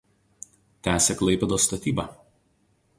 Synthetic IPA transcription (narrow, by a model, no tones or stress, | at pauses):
t̪ʲæːsʲɛklˠɐɪpʲɛd̪oːst̪ɐt̪ʲiːbɑːˑ